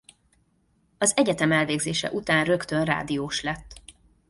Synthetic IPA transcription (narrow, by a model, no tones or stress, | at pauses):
ɒzɛɟɛt̪ɛmɛlveːɡzeːʃɛ̰ʔut̪aːnrø̞kt̪ø̞nra̰ːd̪ijoːʃlɛt̪ː